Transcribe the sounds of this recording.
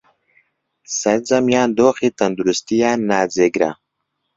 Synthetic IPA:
sɐɾzɐmjaːnd̪oːxit̪ɐnd̪uɾust̪ijanaːzeɡɾa̰

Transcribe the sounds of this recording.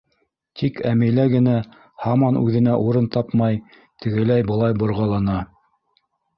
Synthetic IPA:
t̪ʰikæmɘ̆jlæɡɘ̆næ | hɑmɑnʉ̰ðɘ̆næʔuɾɤnt̪ɑpmɑj | t̪ɘ̆ɡɘ̆læjbɤ̆lˠɑjbŏɾʁɑlˠɑnɑ

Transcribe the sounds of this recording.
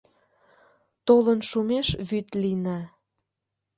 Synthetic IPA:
t̪olənʃumeʃβyt̪lina

